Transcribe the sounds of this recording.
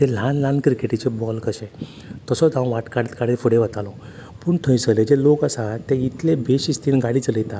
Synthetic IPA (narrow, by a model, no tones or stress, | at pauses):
t̪el̤ãnlãnkɾikeʈit͡ɕebɔlkəɕẽ | t̪əsɔd͡z̪ãw̃ʋaʈkaɽt̪kaɽifuɽeʋat̪alɔ | puːɳt̪ʰə̃j̃səled͡ʑelokasat̪eit̪lebeɕist̪iːnɡaɽiːt͡sləjt̪a